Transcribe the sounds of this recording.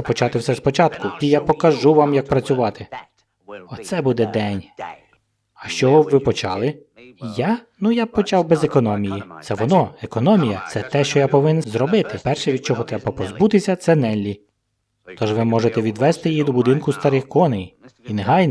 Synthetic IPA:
pɔt͡ʃɑt̪ɪwsɛspɔt͡ʃɑt̪kʊpʲijapɔkɐʒuʋɑmjɐk̚pɾɐt͡sʲʊʋɑt̪ɪ | ɔt̪sɛbud̪ɛd̪ɛnʲ | ɐʃt͡ʃɔɔʋɪpɔt͡ʃɑlˠɪ | janujapɔt͡ʃɑwbɛzekɔnɔmʲijit̪sɛʋɔnɔekɔnɔmʲijɐt̪sɛt̪ɛʃt͡ʃɔjapɔʋɪnnzɾɔbɪt̪ɪpɛrʃɛʋʲid̪̚t͡ʃɔɦɔt̪ɾɛbɐpɔzbut̪ɪsʲɐt̪sɛnɛlʲːi | t̪ɔʒʋɪmɔʒet̪ɛʋʲid̪ʋɛst̪ɪjjid̪ɔbʊd̪ɪnkʊst̪ɐɾɪxkɔnejineɦɑjn

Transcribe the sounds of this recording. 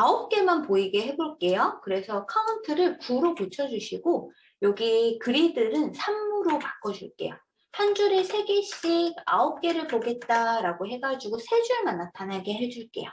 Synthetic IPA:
aop̚k͈e̞manpoiɡe̞ɦe̞boɭk͈e̞jokɯɾe̞sʰʌkʰauntʰɯɾɯɭpuɾoput͡ɕʰʌd͡ʑuɕʰiɡo | jʌɡikɯɾidɯɾɯnsʰamːuɾopak͈ʌd͡ʑṵɭk͈e̞̰jo̰ | hand͡ʑuɾesʰe̞ɡeɕ͈iɡa̰ʌp̚k͈e̞ɾɯɭpoɡe̞t̚t͈aɾaɡoɦe̞ɡad͡ʑiɡosʰe̞d͡ʑuɭmanːatʰanaɡe̞ɦe̞d͡ʑuɭk͈e̞̰jo̰

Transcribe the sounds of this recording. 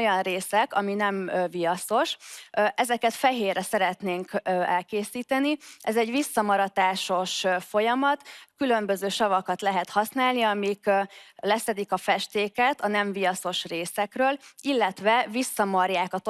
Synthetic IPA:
jɒnreːsɛkɒminɛɱvijɒso̞ʃʔɛzɛkɛt̪fɛɦeːrɛsɛɾɛt̪neːŋkøɛlkeːsiːt̪ɛniʔɛzɛɟʋisːɒmɒɾɒt̪aːʃo̞ʃfo̞jɒmɒt̪kylø̞mbøzøːʃɒvɒkɒt̪lɛɦɛt̪hɒsnaːlniɒmiklɛsɛd̪ikɒfɛʃt̪eːkɛt̪ɒnɛɱvijɒso̞ʃreːsɛkrøːlilːɛt̪ʋɛvisːɒmɒrjaːkɒt̪

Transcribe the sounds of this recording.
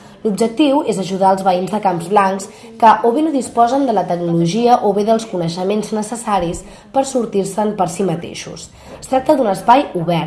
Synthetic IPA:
lubd͡ʒək̚t̪iwezəʒuðaəlˠzβəinzðəkamzβlaŋks | kəʔoβenoðispɔzənd̪ələt̪əknuluʒiəʔoβeðəlˠskunəʃəmenznəsəsaɾis | pəɾsuɾt̪iɾsəmpəɾsimət̪ḛʃṵs | əst̪ɾak̚t̪əd̪unəspajuβɛɾ

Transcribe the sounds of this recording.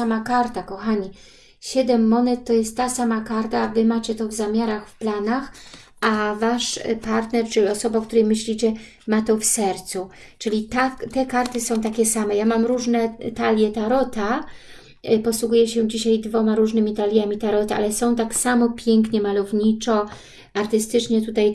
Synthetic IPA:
amakaɾt̪akɔxaɲi | ɕɛd̪ɛmːɔnɛt̪ːɔjɛst̪ːasamakaɾt̪avɘmat͡ɕɛt̪ɔvzamʲaɾaxfplanax | avaʂpaɾt̪nɛɾt͡ʂɘlʲiɔsɔbak̚t̪uɾɛjmɘɕlʲit͡ɕɛ | mat̪ɔfsɛɾt̪su | t͡ʂɘlʲit̪at̪ɛkaɾt̪ɘsɔ̃w̃t̪akʲɛsamɛjamamɾuʐnɛt̪alʲjɛt̪aɾɔt̪a | pɔswuɡujɛɕɛd͡ʑiɕajd̪vɔmaɾuʐnɘmʲit̪alʲjamʲit̪aɾɔt̪ɛa̰lɛsɔ̃w̃t̪aksamɔpʲjɛŋkɲɛmalɔvɲit͡ʂɔ | aɾt̪ɘst̪ɘt͡ʂɲɛt̪ut̪aj

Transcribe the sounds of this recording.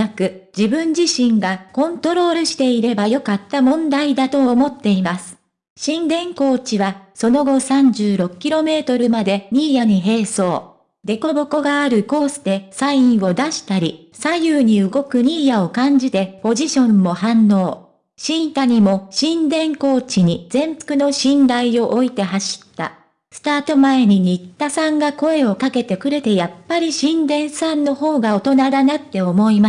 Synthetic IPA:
akɯ̟d͡ʑibɯ̟̃ɲ̟d͡ʑiɕĩŋɡakõ̞nt̪o̞ɾo̞ːɾɯ̟ɕi̥t̪e̞iɾe̞bajo̞kat̪ːamõ̞nd̪aid̪at̪o̞ːmo̞t̪ːe̞imasɨ̥ | ɕĩnd̪ẽ̞ŋko̞ːt͡ɕiβaso̞no̞ɡo̞sãɲ̟d͡ʑɨːɾo̞kɯ̥kʲiɾo̞me̞ːt̪o̞ɾɯ̟mad̪e̞ɲ̟ʲiːjaɲ̟iɦe̞ːso̞ː | d̪e̞ko̞bo̞ko̞ɡaːɾɯ̟ko̞ːsɨd̪e̞saĩɰ̃o̞d̪aɕi̥t̪aɾʲi | sajɯːɲ̟iɯ̟ɡo̞kɯ̟ɲiːjaokãɲ̟d͡ʑit̪e̞po̞ʑiɕõ̞mːo̞hãnːo̞ː | ɕĩnt̪aɲ̟imo̞ɕĩnd̪ẽ̞ŋko̞ːt͡ɕiɲ̟id͡zẽ̞mpɯ̥kɯ̟no̞ɕĩnd̪aio̞ʔoit̪e̞ɦaɕi̥t̪ːa̰ | sɨ̥t̪aːt̪o̞mae̞ɲ̟iɲ̟it̪ːasãŋɡako̞e̞o̞kake̞t̪e̞kɯ̟ɾe̞t̪e̞japːaɾʲiɕĩnd̪ẽ̞ɰ̃sãnːo̞ho̞ːɡao̞t̪o̞nad̪anat̪ːe̞o̞mo̞ima

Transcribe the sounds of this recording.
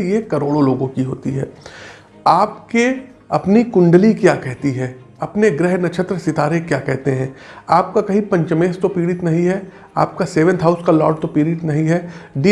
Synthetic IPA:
iekɐɾoːɽoloːɡõkiɦo̰ːt̪iɦɛ̰ː | aːpke | ɐpnikʊ̃ɳɖlikjaːkɛɦt̪iɦɛ̃ː | ɐpneɡɾɛɦnɐt͡ʃʰət̪ɾəsɪt̪aːɾekjaːkɛɦt̪eɦɛ̃ːaːp̚kakɐɦĩpɐ̃ɲt͡ʃəmeːst̪opiːɽɪt̪nɐɦĩɦɛ | a̰ːp̚kaseːʋə̃nt̪ɦaːʊskalɔ̰ːʈ̚t̪opiːɽɪt̪nɐɦĩɦɛːɖiː

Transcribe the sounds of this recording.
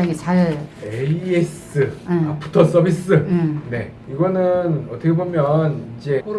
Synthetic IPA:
aŋet͡ɕaɭeies͈ɯapʰutʰʌs͈ʌbis͈ɯne̞̰ | iɡʌnɯnʌt͈ʌkʰebomjʌnind͡ʑe̞

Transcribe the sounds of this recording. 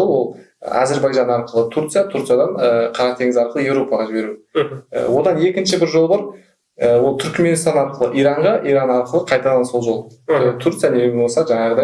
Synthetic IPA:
olˠwo̞lˠ | ə̰ɑ̰ze̞ɾbɑjʒɑnɑɾqəlˠət̪ʰurt̪sɨjat̪ʰuɾt̪sjad̪ɑɴəqʰɑɾɑq̚t̪ʰe̞ŋɪzɑɾqəlˠəje̞vɾo̞pɑʁɑʒɪbe̞ɾuə̰wo̞d̪ɑne̞kʲɪnʃɪbɪɾʒo̞lˠbɑɾ | əwolˠt̪ʰʏɾkme̞nst̪ɑnɑɾqəlˠəʔijɾɑɴʁɑʔijɾɑnɑɾqəlˠəqʰɑjt̪ɑd̪ɑnso̞lˠʒo̞lˠt̪ʰuɾt̪sɨjanemʲenbosɑʒɑɴɑʁəd̪ɑj

